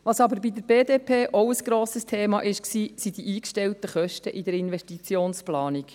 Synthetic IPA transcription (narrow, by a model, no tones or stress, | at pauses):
ʋɑsɑbəɾbid̪əɾb̥eːd̪eːpʰeːʔowəsɡ̥ɾoːsəst̪ʰeːmɑʔɪʃksiːsid̪iʔiːkʃtɛlt̪əχœʃtəʔid̪əɾɪnʋɛʃtit͡sjoːnsplɑːnik